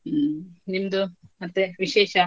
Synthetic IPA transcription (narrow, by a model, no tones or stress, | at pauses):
nimd̪umɐt̪ːeʋiʃeːʃɐ